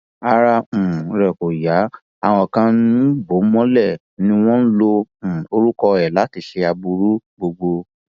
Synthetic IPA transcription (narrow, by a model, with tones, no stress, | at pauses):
a˧ɾã˧˨ɾɛ˨ko˨ja˨˦ | a˨w̃ɔ̃˨kã˧ñ˦bo˨˦mɔ̃˦lɛ˦˨ | nĩ˧w̃ɔ̃˦n̩˦lõ˧˨o˧ɾu˦kɔ˧ɛ˨la˨˦ti˧ʃe˧a˧bu˧ɾu˦ɡ͡bo˧ɡ͡bo˧